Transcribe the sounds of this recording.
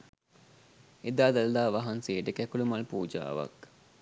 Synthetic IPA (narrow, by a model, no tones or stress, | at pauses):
ed̪aːd̪ald̪aːʋaɦansejəʈəkækulumalpuːd͡ʒa̰ːʋa̰k